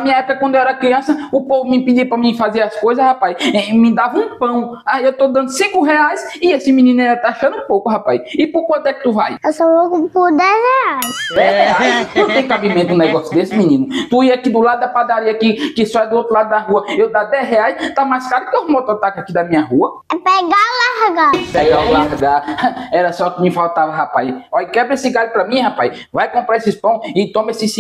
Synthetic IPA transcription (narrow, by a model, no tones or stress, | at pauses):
nɐmĩɲɐɛpʊkɐkwɐ̃nd̪ewɛɾɐkɾiɐ̃sɐʊpovʊmɪĩpid͡ʒiɐpɾamĩfazeɾɐskojzɐshapajsmɪ̃d̪avɐũpɐ̃w̃aewt̪od̪ɐ̃nd̪ʊsĩkʊɦɛajsɪesɪmĩnĩnʊɛt̪aaʃɐ̃nũpowkʊɦapajsɪpoɾkwɐ̃nt̪ʊɛkɪ̥t̪uvajɛsoloɡʊpoɾd̪ɛzɛajsd̪ɛɛajket̪ẽj̃kabĩmẽnt̪ʊũnɛɡɔsjʊd̪esɪmĩnĩnʊt̪uiakid̪ʊlad̪ʊd̪ɐpad̪aɾiɐkikɪsajd̪ʊowt̪ɾulad̪ʊd̪ɐɦuɐewd̪ad̪ɛzɦeajst̪amajskaɾd̪kɪohmot̪oɾt̪akakid̪ɐmĩɲɐɦuɐ | ɛpeɡalahɡapeɡawlaɾɡaɛɾɐsɔkɪmĩfalt̪avɐɦapajsɔʎkɛbɾesɪɡalupɾɐmĩhapajs | vajkõmpɾaesɪspɐ̃w̃ɪt̪õmesɪs